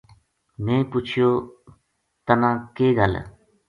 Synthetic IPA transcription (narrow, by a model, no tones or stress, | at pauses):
nẽːpʊt͡ʃʰɪjoː | t̪ənãːkeːɡəl̰